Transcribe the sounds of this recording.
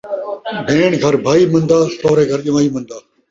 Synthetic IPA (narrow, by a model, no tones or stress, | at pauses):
bʱeːɳɡʱɐɾbʱaːiːmə̃nd̪aːsoːɾeːɡʱəɾʄɪmaːiːmə̃nd̪aː